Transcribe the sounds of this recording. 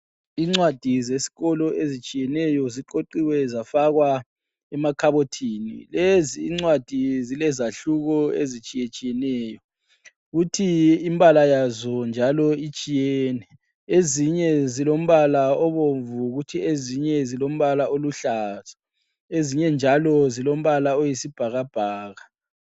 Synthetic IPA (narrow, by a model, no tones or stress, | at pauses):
iŋ͡ǀwad̥ʱizesi̥ɣɔlɔʔezit͡ʃʼijɛnɛjɔziǃoǃiwɛzafaɣwa | ɛmakʰaβotʰinḭleziːŋ͡ǀwad̥ʱizilɛzaɬuɣɔḛzit͡ʃʼijet͡ʃʼijɛnɛjɔ | ɣutʰiimbʱʼalajazɔnd͡ʒʱalɔit͡ʃʼijɛːnɛ | eziɲɛzilom̩βalaɔβoɱvuɣutʰieziɲɛzilom̩βalaʔoluɬaz̥ʱḁ | eziɲɛnd͡ʒʱalɔzilom̩βalaojisib̥ʱaɣab̥ʱaːɣa